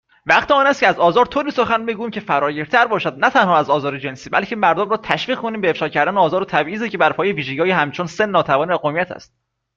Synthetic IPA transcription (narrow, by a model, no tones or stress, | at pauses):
væχt̪eɒːnæst̪cʰeæzɒːzɒːɾt̪ʰoːɾiːso̞xænbeɡuːjiːmcʰe̞fæɾɒːjeɾt̪ʰæɾbɒːʃæd̪̚næt̪ʰænhɒːæzɒːzɒːɾed͡ʒe̞nsiːbæ̰lcʰe̞mæɾd̪omɾɒːt̪ʰæʃviːʁkʰo̞niːmbeefʃɒːcʰæɾd̪æneɒːzɒːɾot̪ʰæbʔiːzecʰe̞bæɾpʰɒːjeviːʒeɡɟiɒːjeɦæmt͡ʃʰonsenːɒːt̪ʰævɒːnivæʁomijæt̪ʰæ̰st̪̚